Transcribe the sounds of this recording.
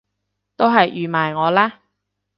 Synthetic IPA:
t̪o˥wɦɐ˨jʔyː˨maː˨˩jŋɔː˨˧laː˥

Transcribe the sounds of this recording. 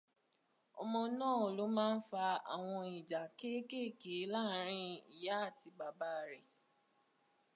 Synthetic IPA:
ɔ̰˨mɔ̃˧nãː˦˨o˨lo˨˦mãː˦˧n̩˦fa˧a̰˨w̃ɔ̃˧i˨d͡ʒa˨ke˦ke˦˨ke˨˦la˦ɾ̃ĩ˧ḭ˨ja˨˦a˦˨ti˧ɡ͡ba˨ba˦˧ɾɛ˨

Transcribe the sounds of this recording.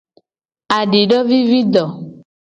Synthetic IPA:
a˨ɖe˨ɖɔ˦vi˦vi˦d̪ɔ˨

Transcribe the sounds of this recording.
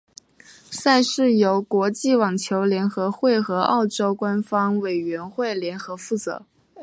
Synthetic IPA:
sa˥˧ɪʂɻ̩˥˩jo˧˥ʊkwɔ˧˥t͡ɕi˥˩wɑ˨˩ŋt͡ɕʰjo˧˥ʊljɛ˧˥nxɤ˧˥xwe˥˩ɪxɤ˧˥ɑ˥˩ʊʈ͡ʂo˥ʊkwa˥nfɑ˥ŋwe˨˩ɪɥɛ˧˥nxwe˥˩ɪljɛ˧˥nxɤ˧˥fu˥˩t͡sɤ̰˧˥

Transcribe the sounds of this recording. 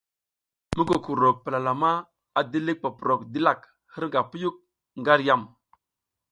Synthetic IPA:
mə˦ko˨ku˨ɾo˨pə˨la˨la˨ma˦ | a˨di˦li˦k̚pa˨pu˨ɾo˨kdi˦la˨k | hə˦ɾŋɡa˨pu˦ju˦k̚ | ŋɡa˦ɾja˦˨m

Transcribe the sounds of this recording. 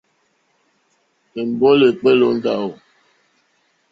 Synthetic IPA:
e˨m̩˨bɔ˦le˨k͡pe˦lo˨˦n̩˦da˦˨o˨

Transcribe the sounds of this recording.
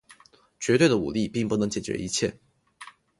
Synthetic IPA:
t͡ɕɥɛ˧˥t̪we˥˩ɪə˨u˨˩li˥˧pi˥˧ŋpu˥˩nɤ˧˥ŋt͡ɕjɛ˨˩t͡ɕɥɛ̰˧˥i˧˥t͡ɕʰjɛ˥˩

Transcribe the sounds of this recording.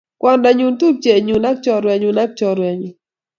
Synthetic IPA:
kwɔ˦nda˨ɲu˦ntu˦p̚t͡ʃe˨ɲu˨na˦k̚t͡ʃɔ˨ɾwɛ˨ɲu˨na˦k̚t͡ʃɔ˨ɾwɛ˨ɲi˨

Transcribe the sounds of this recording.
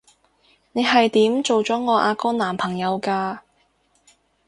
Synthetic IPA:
ne˨˧jɦɐ˨jt̪iː˨˥mt͡so˨wt͡sɔː˨˥ŋɔː˨˧ʔaː˧kɔː˥naː˨˩mpʰɐ˨˩ŋjɐ˨˧wkaː˧

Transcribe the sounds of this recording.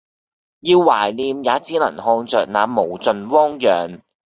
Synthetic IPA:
jiː˧wːaː˨˩jliː˨˧mjaː˨˥t͡siː˥lɐ̰˨˩nhɔː˧ŋt͡sœː˨k̚naː˨˧mo˨˩wt͡sɵ˨˧nwɔː˥ŋjœː˨ŋ

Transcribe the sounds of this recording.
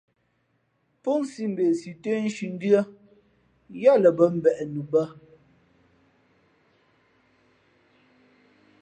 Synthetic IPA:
pu˦ŋsi˦m̩˨be˨si˨te˦n̩˦ʃi˨n̩˦dɰə˦ | ja˦lə˨bə˦m̩˨bɛ˨ʔɛ˨nu˨bə˦

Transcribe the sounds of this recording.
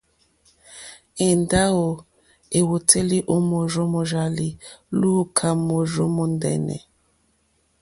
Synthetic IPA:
e˨nda˦o˨ | e˨wo˨tʰe˦li˦ʔo˦mo˨ɾɔ˦mɔ˨ʒa˨li˨lu˦kʰa˨mo˨ʒɔ˦mɔ˦n˦dɛ̰˨nɛ̰˨

